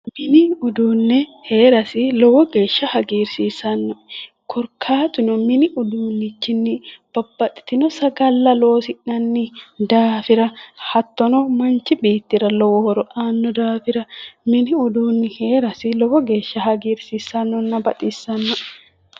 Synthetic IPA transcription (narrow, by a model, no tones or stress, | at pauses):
mɪnɪʊd̪uːnːɛheːɾɐsɪlɔwɔɡe̞ːʃːɐhɐɡiːɾsiːsɐnːɔ | kʰɔɾkʰaːt̪ʼɪnɔmɪnɪʔʊd̪uːnːɪt͡ʃːɪnːɪb̥ɐbːɐt̪ʼɪ̥t̪ɪnɔsɐɡɐlːɐloːsɪʔnɐnːɪd̪aːfɪɾɐhɐt̪ːɔnɔmɐnt͡ʃɪbeːt̪ːɪɾɐlɔwɔhɔɾɔʔaːnːɔd̪aːfɪɾɐmɪnɪʊd̪uːnːɪheːɾɐsɪlɔwɔɡe̞ːʃːɐhɐɡiːɾsiːsɐnːɔnːɐbɐt̪ʼisːɐnːɔʔ